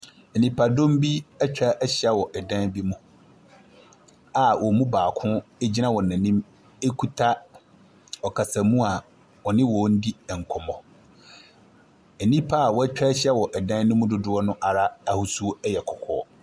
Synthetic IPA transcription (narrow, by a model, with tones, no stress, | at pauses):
ɛ˨nĩ˨pʰa˨dõ˦m˦bi˦ɛ˦t͡ɕᶣa˦ʔɛ˦ɕɛ˦wɔ˨ʔɛ˨dã˦bi˦mũ˦ | a˨wʔɔ˨mũ˦baː˨kʰʊ̃˦e˦d͡ʑi˦nã˦wɔ˨ã˨nĩ˦m | e˦kʰu˦tʰa˦ | ɔ˨kʰa˨sã˨mũ˦a˨ | wɔ˨nɪ̃˦wɔ˨˦n̩˦di˦ɛ˨ŋ̩˨kʰɔ˨mɔ̃˨ | ɛ˨nĩ˦pʰa˦a˨wɔ˦æ˦t͡ɕᶣa˦ɕɛ˦wɔ˨ʔɛ˨dã˦n˦nʊ̃˦mʊ̃˦dʊ˦dʊ˦ɔ˦nʊ̃˦ʔa˨ɾa˦a˨hʊ˨su˦ɛ˦jɛ˨kʰɔ˨kʰɔ̰ː˨˦